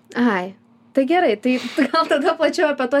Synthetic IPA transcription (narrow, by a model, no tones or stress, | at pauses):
ɐɪ | t̪ɐɪɡʲɛɾɐɪt̪ɐɪɡɐlˠt̪ɐd̪ɐplˠɐt͡ʃʲɛʊɐpʲɛt̪uɔ